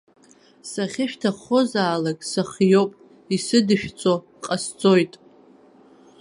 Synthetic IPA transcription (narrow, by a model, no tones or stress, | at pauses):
saχʲɪʃᶣtʰaχozaːlakʼsaχjowpʼ | isɨdɨʃᶣt͡sʼo | qʼast͡sʼo̞jtʼ